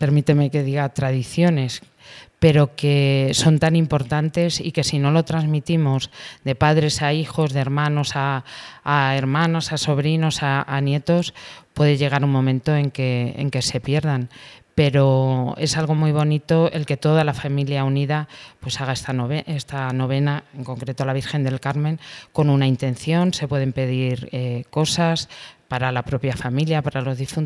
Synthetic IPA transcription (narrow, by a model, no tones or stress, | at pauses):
pe̞ɾmit̪eme̞ke̞ðiɣat̪ɾað̞iθjo̞ne̞s | pe̞ɾo̞ke̞so̞nt̪anĩmpo̞ɾt̪ant̪e̞sḭke̞sino̞lo̞t̪ɾazmit̪imozd̪e̞paðɾe̞saixo̞zðeɾmãno̞saː | e̞ɾmãnosaso̞β̞ɾino̞saanje̞t̪o̞spwe̞ðeʝe̞ɣ̞aɾuŋmõ̞mẽ̞nt̪o̞e̞ŋke̞ḛŋke̞se̞pje̞ɾð̞anpe̞ɾo̞e̞salɣ̞o̞muijβ̞o̞nit̪o̞ʔe̞lke̞t̪o̞ðalafamiljauniðapwe̞saɣ̞aest̪aoβest̪ano̞β̞e̞naeŋko̞ŋkɾe̞t̪oalaβ̞iɾxe̞nd̪e̞lkaɾmẽŋko̞nunaint̪ẽ̞nθjo̞nse̞pwe̞ð̞empe̞ðiɾeko̞saspaɾalapɾo̞pjafamiljapaɾalo̞zðifun